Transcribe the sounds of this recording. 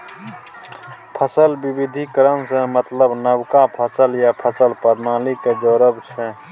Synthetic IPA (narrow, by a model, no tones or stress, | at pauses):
pʰəsəlbibid̪ʱikəɾənsẽmət̪ləbnəwkapʰəsəljapʰəsəlpəɾnaːliked͡ʒoːɾəbt͡ʃʰɛ